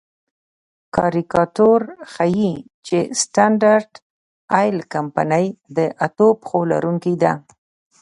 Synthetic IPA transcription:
kɑɾikɑʈoɾxaji | t͡ʃesʈaɳɖaɾɖ | ɑjlkampa̰nəjd̪əʔat̪opxola̰ɾuŋkid̪a

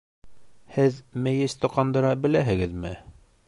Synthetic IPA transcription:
hɘðmæ̆jɘst̪ŏqɑnd̪ɤ̆ɾɑbɘ̆læɦɘ̆ɡɘðmɘ

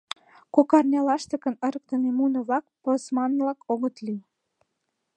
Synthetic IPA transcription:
kokɑrnʲɑlɑʃt̪ə̆kə̆nəɾək̚t̪ə̆nemunə̆βlɑk̚posmɑnvlɑkoɣət̪li

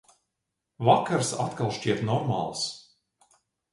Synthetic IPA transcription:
vakaɾsat̪kalˠʃʲt͡ʃiɛt̪nɔɾma̰lˠs

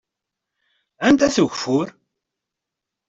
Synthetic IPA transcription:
ænt̪æθuʝfʊɾ

